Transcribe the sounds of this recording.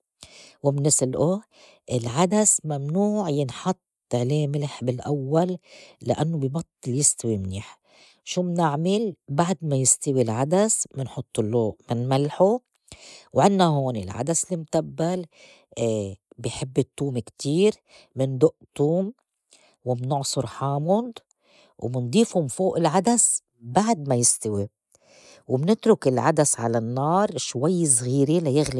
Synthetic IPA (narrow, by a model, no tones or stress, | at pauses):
wɪmɪnːɪsɪlʔo | ʔɪlʕad̪asmamnuːʕjɪnħɑt̪ˤːʕleːmɪlħbɪlʔawːalːa̰ʔanːobɪjbɑt̪ˤːɨljɪst̪awimniːħ | ʃuːmnɪʕmɪlbaʕd̪majɪst̪awilʕad̪asmɪnħʊt̪ˤːʊlːoːʔmɪnmalħo | wʕɪnːaɦoːnilʕa̰d̪aslimt̪abːalː | bɪjħɪbːɪt̪ːuːmkt̪iːɾ | mɪnd̪ʊʔt̪ˤːuːm | wɪmnʊʕsˤʊɾħaːmʊd̪ | wmɪnd̪ˤiːfhʊmfoːʔɪlʕad̪as | baʕd̪̚majɪst̪awi | wɪmnɪt̪ɾʊkɪlʕa̰d̪asʕa̰lanːɑːɾˤʃwajːsɣiːɾelajɪɣli